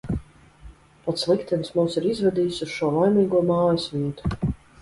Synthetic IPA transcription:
pat̪slˠikt̪ɛnsmumsiɾizvɛd̪iːjsusʃuɔlˠajmiːɡuɔmaːjisvʲiɛt̪u̥

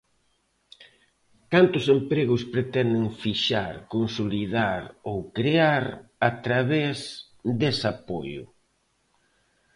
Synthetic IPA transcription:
kant̪ʊsempɾeɣʊspɾet̪ɛnd̪ɪŋfiʃaɾkonsolið̞aɾowkɾeaɾat̪ɾaβez | d̪esapo̰jʊ̰

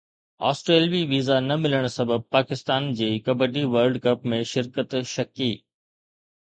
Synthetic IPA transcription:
a̰ːsʈɾeːlʋiʋiːzanɐmɪləɽ̃sɐbəb̚paːkɪst̪aːnd͡ʑiːkɐbəɖiʋəɾlɖkɐpmẽʃɪɾkət̪ʃɐkiː

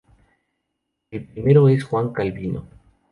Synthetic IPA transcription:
elpɾimeɾoe̞sxwaŋkalβinʔo̰

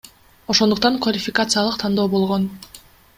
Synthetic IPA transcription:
o̞ʃo̞nd̪uq̚t̪ɑŋkvalʲɪfʲɪkat̪sɨjalˠɯqt̪ʰɑnd̪oːbo̞lˠʁo̞n

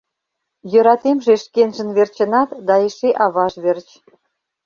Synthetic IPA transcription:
jø̆ɾɑt̪emʒeʃkenʒə̆nβert͡ɕə̆nɑt̪d̪ɑeʃeʔɑβɑʒβert͡ɕ

